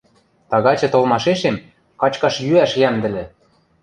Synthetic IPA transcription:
t̪ɑɣɑt͡ɕɤ̆t̪olmɑʃeʃem | kɑt͡ɕkɑʃjyæʃjæmd̪ɘ̆lʲɘ̆

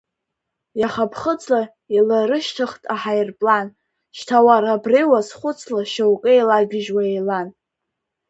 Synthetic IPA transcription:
jaχapʰχət͡sʰʼla | ilaɾɨʃtʰɨχtʼaħajrpʼlan | ʃtʰawaɾabrejwasχʷʊt͡sʰlaʃawkʼeelaɡʲɪʒwaejlan

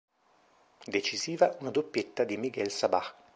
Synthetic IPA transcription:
d̪et͡ʃiziːvaunad̪opːjet̪ːad̪imiɡɛlsaba̰x

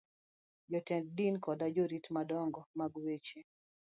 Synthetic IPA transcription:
d͡ʒɔtɛnd̚dinkɔdad͡ʒoɾitmadɔŋɡɔmaɡwet͡ʃe

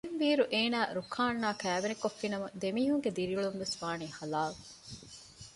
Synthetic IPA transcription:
mʋiːɾuʔeːnæːɾukʰaːnːaːkæːʋenikofːinɐmɐd̪emiːɦuŋɡed̪iɾiuɭumʋesʋaːniːhɐlaːl

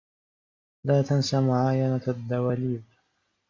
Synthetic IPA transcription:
laːt̪ansamʊʕaːjanaad̪ːawaːliːb

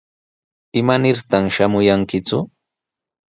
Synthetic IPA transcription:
ɪmanɪɾt̪aŋʃamʊjaŋkɪt͡sʊ

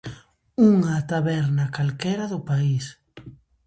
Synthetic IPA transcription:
uŋat̪aβɛɾnɐkalkɛɾɐðʊpais

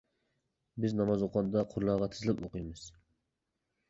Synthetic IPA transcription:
bɪznɑmɑzoqʰɑnd̪ɑqʰʊɾlˠɑʁɑt̪ʰɪzlɪpoqɨjmɨz̥

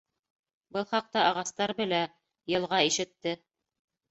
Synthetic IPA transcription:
bɤlˠχɑq̚t̪ɑʔɑʁɑst̪ɑɾbɘ̆læ | jɤ̆lˠʁɑiʃɘ̆t̪ːɘ

